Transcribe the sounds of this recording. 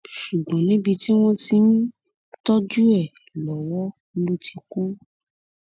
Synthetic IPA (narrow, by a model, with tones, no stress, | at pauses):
ʃu˨ɡ͡bɔ̃˨˦nĩ˨˦bi˧ti˦w̃ɔ̃˦ti˧˦n˦ | tɔ˦d͡ʒu˦ɛ˦˨ | lɔ˨wɔ˦ | lu˦tʰi˧ku˦